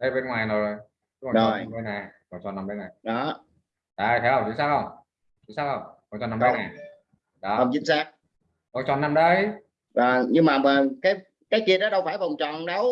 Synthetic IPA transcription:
ɗə˨˦ɓe˧nŋwaː˨˩jno˨˩jzj | ɨ˦˥va˨zo˨˩jɓə˨˦na˨˩vɔ˨˩ŋ͡mt͡ɕɔ̰˨nːa˧mɓɗe˨˧jna˨˩jɗɔ˨˦ | ɗə˨˩jt̪ʰe˨˦hə˧wŋ͡mt̪ɨ˧˦ŋsaː˧wxə˧wŋ͡m | ɨ˧˦saː˧wxə˧wŋ͡mɔ˨˩t͡ɕɔ̰˨nːa˧ɗə˨˧˦na˨˩ | ɗɔ˨˦ə˨˩ŋ͡mzḭ˧˥ə˦nsaː˧k̚ | kɔ˨˧˩nt͡ɕɔ̰˧˨nːa˧mɗə˨˦j | zɔ˨˩nɲɨ˧ŋmaː˨˩əː˨˩kaː˨˦j | kaː˨˦jki˨t̚ɗɔː˨˦ɗə˧wfaː˧˩jvɔ˨˩wŋ͡mt͡ɕɔ̰˧˨nɗə˨˧˦w

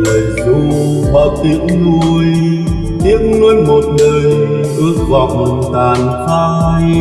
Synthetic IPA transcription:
lə˨˩jzu˧ | ɓa̰˧˦˩t̪i˧˥əŋːu˧˩əəj | ʔi˧˥əŋ̚nwɛ˧ənmo˨˩t̚nəː˨˩j | ʔɨ˧˦˥ək̚va̰˧˨wŋ͡mt̪aː˨˩nfʰa˧

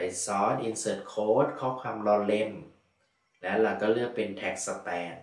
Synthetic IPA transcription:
jsɔː˦˥nʔi˧nsɤː˧˩t̪̚kʰoː˦˥t̪̚kʰɔː˦˥kʰwaː˧mlɔː˧le˧˥˩m | lɛː˦˥wla˧˩kɔː˥˩lɯ˥˩ək̚pe˧nt̪ʰɛ˨˩k̚sa˧pɛː˧n

